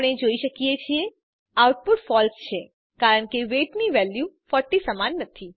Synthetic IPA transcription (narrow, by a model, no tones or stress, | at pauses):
ɽ̃ed͡ʒoiʃəkijet͡ʃʰie | awʈ̚puʈfɔlst͡ʃʰe | kaɾəɳkeʋeʈniʋɛljufɔʈːisəmanːət̪ʰi